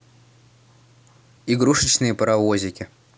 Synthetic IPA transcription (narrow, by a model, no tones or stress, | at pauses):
iɡɾuʂɨt͡ɕnɨjəpəɾɐvozʲɪkʲɪ